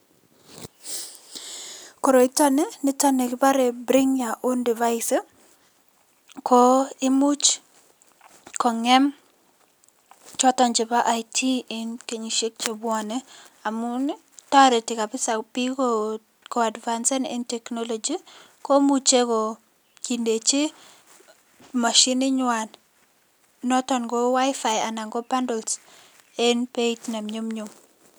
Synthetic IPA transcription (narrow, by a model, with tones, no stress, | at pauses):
kɔ˨ɾo˨ɪ˦ta˦ne˦nɪ˦ta˦ne˨kɪ˦pa˦ɾe˨bɾɪ˦ŋja˨ʔo˦ndɪ˨va˦jsɪ | kʰɔ˦ɪ˦mu˦t͡ʃ | kɔ˨ŋɛ˦m | t͡ʃɔ˦tɔ˨ɲd͡ʒɪ˨pa˦ʔa˨jtʰi˦ɪnke˨ɲi˨ʃe˦k̚t͡ʃe˨bwɔ˨nɛa˨mʊ˦n | tɔ˦ɾɪ˨ti˨ka˨pɪ˦sa˨pi˦ko | ko˨a˨dvansɛ˦nɪ̰˦ntɛ˨knɔ˦lɔ˨d͡ʒi | ko˦mu˨t͡ʃe˦kɔ˨ | ki˨nde˨t͡ʃi˦ | ma˨ʃi˦nɪ˦ɲwa˨n | nɔ˦tɔ˨nɡɔ˦wa˦ɪfaja˨na˨ŋɡɔ˦ba˦ndɔ˨ls | ɪ˦npe˦itna˨mɲo˦mɲu˨m